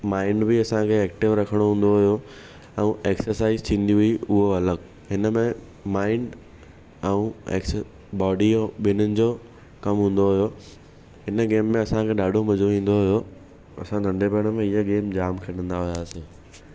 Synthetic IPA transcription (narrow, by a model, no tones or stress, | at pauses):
maːɪɳɖbɪɐsãkʰeɛːk̚ʈɪʋɾɐkʰəɽ̃oɦũːn̆d̪oɦʊjo | ɛ̃ũeːksəɾsaːɪzt̪ʰĩːn̆d̪iɦʊiʊɦoɐləɡ | ɦɪnəmẽ | maːɪɳɖ | ɛ̃ũḛːksə | bɔːɖioɓɪnənɪ̆d͡ʑoː | kɐmɦũːn̆d̪oɦʊjo | ɦɪnəɡeːmːẽɐsãkʰeɗaːɖʱomɐd͡ʑoʋĩːn̆d̪oɦʊjo | ɐ̰sãd̪ʱɐ̃ɳɖepɛːəɽ̃əmẽɪɦaɡeːmd͡ʑaːmkʰɐɗə̃nd̪aɦʊjaːseː